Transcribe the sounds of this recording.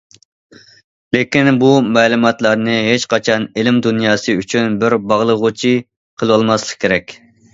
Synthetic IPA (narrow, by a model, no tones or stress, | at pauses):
lekʲinbumɛːlumɑt̪lˠɑɾnɨɦet͡ʃqʰɑt͡ʃʰɑnɪlɪmd̪unjɑːsɨyt͡ʃʰynbɪɾbɑʁlˠəʁʊt͡ʃʰi | qʰəlˠɨwɑlˠmɑslˠəqkʲʰeɾɛkʲ